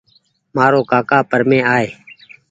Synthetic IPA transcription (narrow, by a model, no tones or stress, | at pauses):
maːɾoːkaːkaːpəɾmẽːaːeː